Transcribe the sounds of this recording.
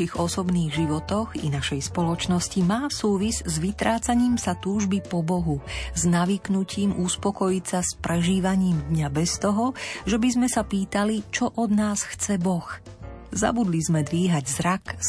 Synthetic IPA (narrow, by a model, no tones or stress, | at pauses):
iɣɔsɔbniːɣʒiʋɔt̪ɔɣḭnaʃɛjspɔlɔt͡ʃnɔscimaːsuːʋizzʋit̪ɾaːt͡saɲiːmsat̪uːʒbipɔbɔɦuznaʋiːknuciːmʔuspɔkɔjit͡saspɾɛʒiːʋaɲiːmd̪ɲabɛst̪ɔɦɔʒɛbizmɛsapiːt̪alit͡ʃɔʔɔd̪naːsxt͡sɛbɔx | za̰bud̪lizmɛd̪ʋiːɦaɟzɾak